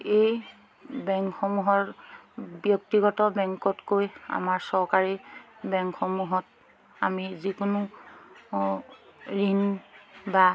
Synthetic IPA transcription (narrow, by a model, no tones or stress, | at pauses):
ej | bɛŋkxɔmuɦɔɹ | bjɔktiɡɔtɔbɛŋkɔtkoja̰maɹsɔɹkaɹibɛŋkxɔmuɦɔt | amizikʊnʊ | ɹinba